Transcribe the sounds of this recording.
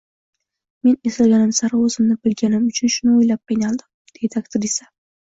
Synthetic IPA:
me̞nesɪlɡʲanɪmsaɾaɵzɪmnɪbɪlɡʲanɪmʊt͡ʃʰʊnʃʊnɪojlap̚pajnalˠd̪ɪm | d̪̥e̞d̪ɪakt̪ʰɪɾisa

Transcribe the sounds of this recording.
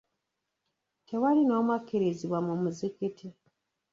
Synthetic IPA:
tewalinoːmwakiɾiziβwamumuzikitʰi

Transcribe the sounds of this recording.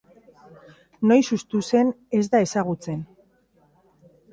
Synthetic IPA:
no̞jsust̪use̞ne̞zd̪ae̞saɣ̞ut͡se̞n

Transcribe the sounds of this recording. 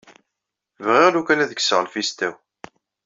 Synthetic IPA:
vʁeʁlukænæðəksəʁəlfist̪æw

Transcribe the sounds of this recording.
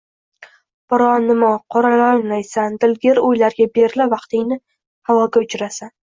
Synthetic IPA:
b̥ɒɾɒnːɪmaqʰɒɾalajnlajsand̪ɪlɡʲeɾojlaɾɡʲabeɾlɪvɑqt̪ɪŋnɪ | havɒɡʲaʊt͡ʃɾasan

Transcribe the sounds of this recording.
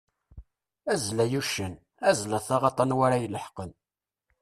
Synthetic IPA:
æzlæjuʃən | æzləθɑʁɑt̪ˤɑnwæɾajələħqən

